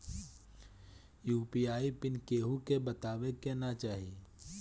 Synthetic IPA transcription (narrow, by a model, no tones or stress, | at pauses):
juːpiːaːipɪnkeːɦukebɐt̪aːʋekenat͡ʃaːɦie